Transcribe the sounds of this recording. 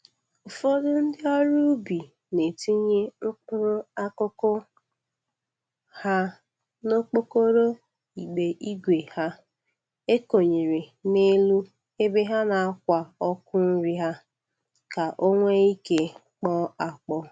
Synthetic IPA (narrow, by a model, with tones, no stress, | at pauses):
ʊ˨fo˦dʊ˦n̩˦dɪ˦ɔ˦ɾu˦bi˨ | ne˨ti˦ɲe˦ŋ͡m̩˦k͡pʊ˦ɾo˦a˦kʊ˦kʊ˦ | ha˦ | no˦k͡po˦ko˦ɾo˦ | i˨ɡ͡be˨ʔi˦ɡʷe˨ha˦ | e˦ko˨ɲe˨ɾe˨ne˦lu˦ | e˦be˦ɦa˦na˨a˦kʷa˨ɔ˦kʊ˦n̩˦ɾi˦ɦa˦ | ka˨ʔo˦ŋʷe˦i˦ke˦ | k͡pɔ˦a˨k͡pɔ˦